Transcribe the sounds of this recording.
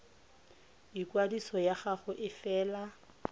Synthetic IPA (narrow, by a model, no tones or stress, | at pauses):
ikwadisɔjaχaχʊʔɪfɛːla